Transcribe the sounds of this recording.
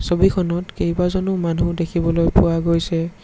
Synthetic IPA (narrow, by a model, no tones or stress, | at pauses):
sobikʰɔnɔtkejbazɔnʊmanudekʰibɔlojpʊwaɡojsɛ